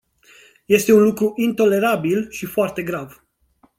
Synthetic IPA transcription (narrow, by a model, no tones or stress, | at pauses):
je̞st̪e̞unlukɾuʔint̪o̞le̞ɾabilʃifoart̪e̞ɡɾav